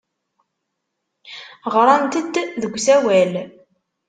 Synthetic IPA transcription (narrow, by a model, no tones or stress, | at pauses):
ʁɾˤɑnt̪əd̪ðəɡʷːsæwæl